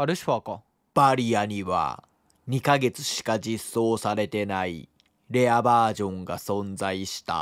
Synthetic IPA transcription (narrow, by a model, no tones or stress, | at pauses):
aɾɯ̟ɕi̥paka | b̥aɾʲijaɲ̟iβa̰ | ɲ̟ikaɡe̞t͡sɨ̥ɕi̥kad͡ʑisːo̞ːsaɾe̞t̪e̞naḭ | ɾe̞abaːʑõ̞ŋɡasõ̞nd͡zaiɕi̥t̪a̰